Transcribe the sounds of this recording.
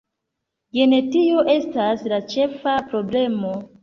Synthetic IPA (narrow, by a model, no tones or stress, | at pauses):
jene̞tio̞ʔe̞staslat͡ʃe̞fapɾo̞ble̞mo̞